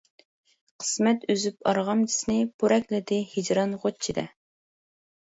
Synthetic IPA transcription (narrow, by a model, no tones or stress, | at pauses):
qʰə̥smɛt̪øzypɑɾʁɑmd͡ʒi̥snɪpʰuɾʔɛkʲlɪd̪ɪhid͡ʒɾɑnʁot͡ʃʰid̪ɛ̰